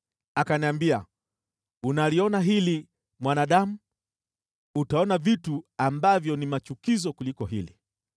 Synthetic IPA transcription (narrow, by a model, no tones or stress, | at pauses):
akaniambia̰ | unaliɔnaɦili | mwanaɗamu | utaɔnavituambavjɔnimat͡ʃukizɔkulikɔɦḭlḭ